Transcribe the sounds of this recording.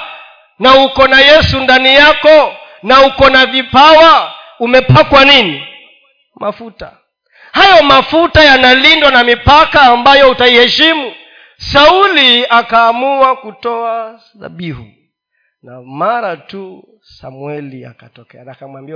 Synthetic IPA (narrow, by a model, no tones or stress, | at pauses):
nahukɔnajɛsundanijakɔ | nahukɔnavipawa | umɛpakwanini | mafuta̰ | hajɔmafutajanalindwanamipakaːmbajɔutaihɛʃimu | sauliakaːmuwakutɔa | ða̰ɓihṵ | namaɾatu | sa̰mwɛlia̰katɔkɛanakamwambiwa